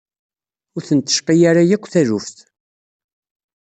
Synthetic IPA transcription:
ʊɾθənt̪ːə̥ʃqijaɾajækʷːθæðufθ

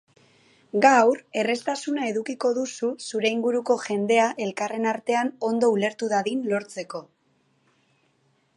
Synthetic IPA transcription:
ɡawɾe̞re̞st̪asunae̞ðukiko̞ðususuɾe̞iŋɡuɾuko̞ʝe̞nd̪e̞aʔe̞lkare̞naɾt̪e̞ano̞nd̪o̞ule̞ɾt̪uðaðinlo̞ɾt͡se̞ko̞

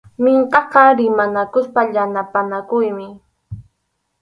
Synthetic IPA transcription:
mɪɴqɑqɑɾɪmanakʊspaʎanapanakʊjmɪ

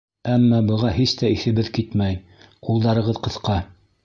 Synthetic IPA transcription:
æmːɑbɤ̆ʁɑhist̪æiθɘ̆βɘðkit̪mæj | qulˠd̪ɑɾɤ̆ʁɤðqɤ̆θqɑ

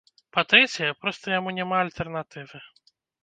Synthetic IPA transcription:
pɐt̪ɾɛt͡sʲɛjɛpɾɔst̪ɐjamunʲɛmaɐlʲt̪ɛrnat̪ɨvɨ

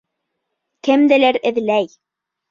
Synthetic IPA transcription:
kɘ̆md̪ɘ̆læɾɘ̆ðlæj

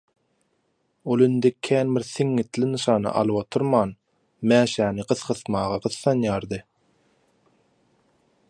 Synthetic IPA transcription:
olˠind̪ekʲʰæːnbiɾθiŋːit̪linɯʃɑːnɑ̰ʔɑ̰lˠɯwot̪ʰuɾmɑːn | mæːʃæːniɢɯθqɯθmɑːʁɑɢɯθːɑnjɑːɾd̪ɯ

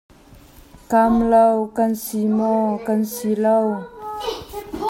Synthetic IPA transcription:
kamlawkansimɔkansilaw

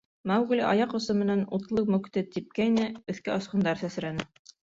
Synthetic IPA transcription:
mæwɡliʔɑ̰jɑqŏsɤmɘ̆nænut̪lˠɤmɵ̆kt̪ɘt̪ːip̚kæinɘɵ̆θkæɑsqɤ̆nd̪ɑɾsæsɾænɘ

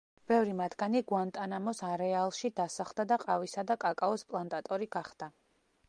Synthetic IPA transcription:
b̥ɛvɾimat̪ʰɡaniɡuant̪ʼanamɔsaɾɛalˠʃid̪asaχlˠd̪ad̪aqʼavisad̪akʼakʼaɔspʼlˠant̪ʼat̪ʼɔɾiɡaχd̪̥a

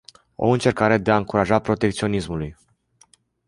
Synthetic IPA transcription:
o̞̰ɨnt͡ʃe̞rkaɾe̞d̪e̞aɨŋkuɾaʒapɾo̞t̪e̞k̚t̪sio̞nismuluj

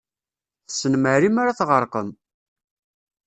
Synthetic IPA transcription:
θəsənməɾimaɾaθʁəɾˤqəm

